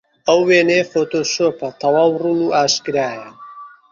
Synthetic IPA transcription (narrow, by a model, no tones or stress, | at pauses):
əwːeːneːfot̪oʃopɐt̪ʰɐwaːwrunuʔaːʃkɨɾaːjɐ